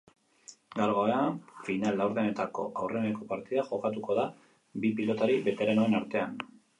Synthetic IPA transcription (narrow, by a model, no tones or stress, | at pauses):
ɡaɾɣoeaɱfinalawɾðene̞t̪ako̞̰ʔawre̞neko̞paɾt̪iðaʝo̞kat̪uko̞ða | bipilo̞t̪aɾiβe̞t̪e̞ɾanoe̞naɾt̪e̞an